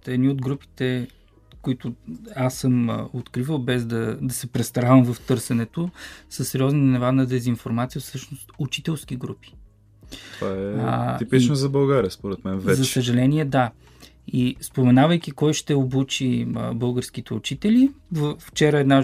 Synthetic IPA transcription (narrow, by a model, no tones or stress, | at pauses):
t̪ɛd̪niod̪ɡɾupi̥t̪ɛ | koit̪ʊasːɤm̰ot̪kɾivəlˠbɛzd̪ɐd̪ɐsɛpɾɛst̪ɐɾavəmvɐft̪ɤɾsɛnɛt̪osəsːɛɾiɔznənnɛvanəd̪ɛzinfoɾmat̪sijəfsɤʃnost̪ut͡ʃit̪ɛlˠsk̟iɡɾupi̥ | t̪ovaɛipit͡ʃnozɐbɐlˠɡaɾiəspoɾɛt̪mɛnvɛzɐsəʒɐlɛniɛd̪a | ispomɛnavəjk̟ʲikɔjʃt̪ɛobut͡ʃibɤlˠɡəɾsk̟it̪ɛut͡ʃit̪ɛlivəft͡ʃɛɾəɛd̪na